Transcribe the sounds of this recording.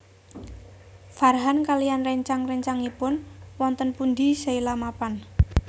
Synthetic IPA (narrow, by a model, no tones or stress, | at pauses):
farɦankalijanrɛɲt͡ʃaŋrɛɲt͡ʃaŋipʊnwɔnt̪ənpund̪isailamapan